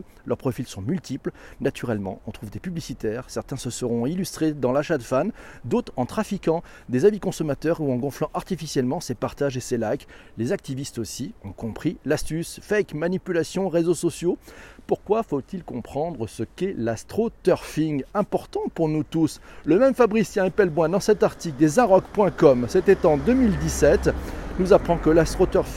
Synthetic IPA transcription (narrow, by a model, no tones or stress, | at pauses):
lœʁpχɔfilsɔ̃mylt̪iplnat̪yʁɛlmɑ̰̃ɔ̃t̪χuvd̪epyblisit̪ɛːʁsɛʁt̪ɛ̃səsəʁɔ̃ilyst̪χed̪ɑ̃laʃad̪əfand̪ot̪χɑ̃t̪χafikɑ̃ | d̪ezabikɔ̃sɔmat̪œʁuɑ̃ɡɔ̃flɑ̃ʔaʁt̪ifisjɛlmɑ̃sepaʁt̪aʒeselajklezak̚t̪ivist̪osiɔ̃kɔ̃pχilast̪ysfɛjkmanipylasjɔ̃ʁezosɔsjopuʁkwafot̪ilkɔ̃pχɑ̃d̪ʁəsəkɛlast̪χot̪œʁfiŋɡɛ̃pɔʁt̪ɑ̃puʁnut̪usləmɛmfabʁisjɛ̃epɛlbwɛ̃d̪ɑ̃sɛt̪aʁt̪ikd̪ezaʁɔkpwɛ̃kɔmsɛt̪ɛt̪ɑ̃d̪əmild̪isɛt̪nuzapχɑ̃kəlast̪χot̪œʁf